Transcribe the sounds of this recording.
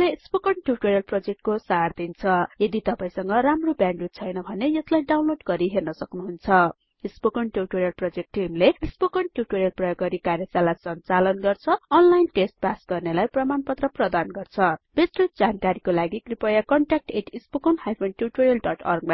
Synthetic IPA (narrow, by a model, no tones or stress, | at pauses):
lespokʌnʈjuʈoɾjʌlprʌd͡zek̚ʈkosard̪int͡sʰʌjʌd̪it̪ʌpaĩsʌŋɡʌramrobjaɳɖrut̪t͡sʰʌjnʌbʱʌnejʌslajɖawnloɖɡʌɾiɦernʌsʌknuɦunt͡sʰʌ | ispokʌɳʈjuʈoɾijʌlprʌd͡zek̚ʈːimleispokʌɳʈjuʈoɾjʌlprʌjʌɡːʌɾikaɾjʌsalasʌnt͡salʌnɡʌrt͡sʰʌːnlajnʈesʈ̚pasɡʌrnelajprʌmanpʌt̪rʌprʌd̪anɡʌrt͡sʰʌb̥esrod͡zankaɾikolaɡikripʌjakʌɳʈak̚ʈeʈʰispokʌnhajpʰonʈjuʈoɾjʌlɖʌʈʌrɡ̚mã